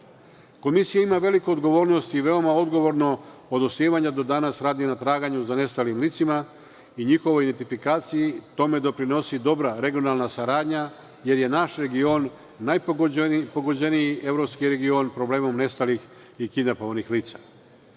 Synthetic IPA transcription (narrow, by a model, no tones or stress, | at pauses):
ko̞misijaimaʋe̞likoːd̪ɡo̞ʋo̞ːɾno̞st̪iʋe̞o̞mao̞d̪ɡo̞ʋo̞ɾno̞od̪osiːʋaɲad̪o̞d̪anasɾaːd̪inat̪ɾaːɡaɲuzane̞st̪alimlit̪sima | iɲixo̞ʋo̞jid̪ent̪ifikaːt̪sijit̪o̞me̞d̪o̞pɾino̞sid̪o̞bɾaɾe̞ɡio̞nalˠnasaɾaːd̪ɲa | je̞ɾje̞naʃɾe̞ɡionː | ajppoɡod͡ʑe̞nijiʔevɾo̞pskiɾe̞ɡio̞npɾo̞bleːmo̞mne̞st̪alix | ikid̪apoonixliːt̪sa